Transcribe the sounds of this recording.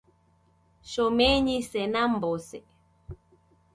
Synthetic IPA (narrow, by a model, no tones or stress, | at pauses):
ʃomẽɲĩsenãmbose